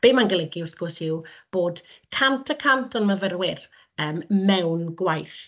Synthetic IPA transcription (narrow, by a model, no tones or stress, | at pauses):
b̥eːmanɡəlˠəɡɪʊrθɡ̥ɔsɪwb̥oːd̥ | kʰantʰəkʰantʰɔnməvərwɪr | əːmːɛwnɡwajθ